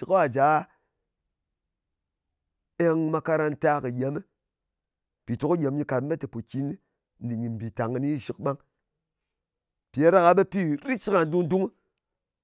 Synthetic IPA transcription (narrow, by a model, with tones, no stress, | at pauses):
i˨ko˦a˨d͡ʒa˨˦ | e˦ŋma˧ka˦ɾa˧nta˦kɨ˨ɡʲe˨˦mi˦ | pi˨to˨ku˦ɡʲe˨m˦ɲi˧ka˨t̩˦e˦ti˨po˨kʲi˦ni˦ | n̩˦di˨ɲi˨m̩˨bi˨ta˨ŋɨ˧ni˦˨ʃi˨kɓa˦ŋ | pi˨a˨˦ɾa˦ka˧ɓe˦pi˦ɾi˦t͡ʃi˦ka˨n˦du˦n˦du˦ŋ˦